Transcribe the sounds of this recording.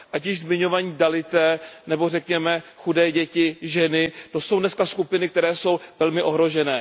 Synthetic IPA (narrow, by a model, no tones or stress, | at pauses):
ʔacɪʒzmɪɲo̞vaːɲiːdalɪt̪ɛːnɛbo̞rɛkɲɛmɛxudɛːɟɛcɪʒɛnɪt̪o̞sowdnɛskaskupɪnɪk̚t̪ɛɾɛːso̞wvɛlmɪʔo̞ɦɾo̞ʒɛnɛː